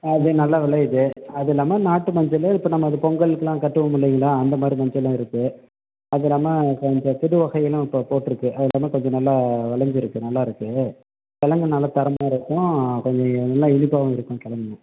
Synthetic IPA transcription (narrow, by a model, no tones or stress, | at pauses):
ɐðɯnɐlːaːʋɪɭɐjðɯɐðɪlːaːmɐnaːʈːɯmɐɲd͡ʒɐlɪpːɐːnɐmːɐɐðɯpɔŋɡɐɭɯkːɯlãːkɐʈːɯʋɐmʊɭːɪjŋɡɐɭãːɐnd̪ɐmaːd̪ɾimɐɲd͡ʒɐlːãːɪɾɯkːɯ | ɐðɪlːaːmɐkɔɲd͡ʒɔ̃t̪ɪɽɯʋɐɣɐɪjɐlɐ̃ɪpːɐpoːʈːɪɾɯkːɯʔɐðɪlaːmɐkɔɲd͡ʒɔ̃nɐlːaʋɐɭɐɲd͡ʒɪɾɯkːɯnɐlːaːɪɾɯkːɯ | kɛlɐŋɡɐnɐlːat̪ɐɾɐmaːɪɾɯkːʊ̃kɔɲd͡ʒɔ̃nɐlːaɪnɪpːaːʋɐ̃ɪɾɯkːʊ̃kɛɭɐŋɡɐnːɐ